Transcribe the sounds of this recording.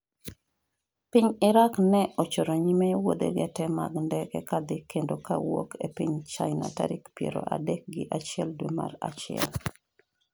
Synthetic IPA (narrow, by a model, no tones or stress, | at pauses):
piɲɪɾaknɛʔot͡ʃoɾoɲimewod̪eɡɛtɛma̰ɡndɛkɛ̰kad̪ɪkendoka̰wokʰepiɲt͡ʃajna̰taɾikpjeɾo̰ʔadɛk̚ɡɪʔat͡ʃɪɛldwema̰rat͡ʃɪɛ̰l